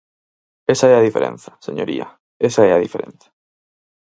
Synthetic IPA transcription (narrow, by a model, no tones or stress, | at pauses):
esaɛɐðifeɾʔḛ̃nθɐ̥seɲoɾḭɐ̰ | esaɛɐðifeɾʔḛ̃n̟θḁ